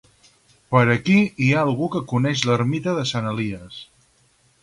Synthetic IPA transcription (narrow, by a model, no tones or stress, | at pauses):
pəɾəkiiaəlˠɣukəkunɛʃləɾmit̪əðəsanəliəs